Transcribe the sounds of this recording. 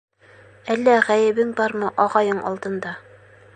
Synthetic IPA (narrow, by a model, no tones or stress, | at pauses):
ælːæʁæjɘ̆βɘŋbɑɾmɤʔɒʁɑjɤɴʔɒ̰lˠt̪ɤ̆nd̪ɑ